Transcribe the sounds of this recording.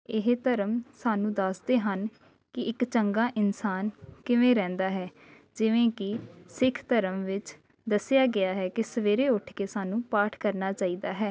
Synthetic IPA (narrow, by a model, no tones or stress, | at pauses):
ɪɦt̪əɾəmsaːnũːd̪əsd̪eːɦən | kɪɪkt͡ʃəŋɡaːʔɪnsaːnkɪʋẽːɾɛ̃ːnd̪aːɦɛː | d͡ʒɪʋẽːkɪsɪkʰt̪əɾəmʋɪt͡ʃ | d̪əsɪjaːɡɪaːɦɛːkɪsəʋeːɾeːʊʈʰkeːsaːnũːpaːʈʰkəɾnaːt͡ʃaːiːd̪aːɦɛː